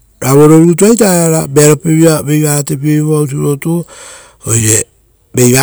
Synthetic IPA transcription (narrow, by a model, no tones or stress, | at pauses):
ɾaβo̞ɾo̞ɾut̬uajtaeaɾabeɾopeβiabe̞jβatep̬ieβiβaut̬iɾo̞to | oje | be̞jβa